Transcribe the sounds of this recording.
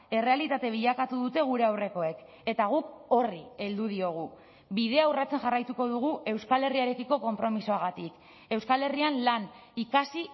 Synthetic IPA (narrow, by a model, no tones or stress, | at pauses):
e̞re̞alit̪at̪e̞β̞iʎakat̪uðut̪e̞ɣ̞uɾe̞awre̞ko̞e̞k | e̞t̪aɣ̞uko̞rie̞ld̪uð̞io̞ɣ̞u | bið̞e̞aurat͡se̞nʝarajt̪uko̞ðuɣ̞uʔe̞wskale̞riaeɾe̞kiko̞ko̞mpɾo̞misoaɣat̪ik | e̞wskale̞rianlan | ikasi